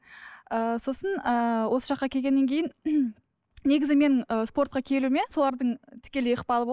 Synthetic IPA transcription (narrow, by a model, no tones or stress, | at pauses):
əso̞sənəwo̞sə̥ʃɑqːɑkʲʰelɡʲe̞nːe̞ŋkʲʰe̞jɪn | ne̞ɡʲɪzɪme̞nɪŋəspo̞rt̪̚qɑkʲʰe̞lumeso̞lˠɑɾd̪əɴt̪ʰɪ̥kʲe̞lejəqpɑlˠəb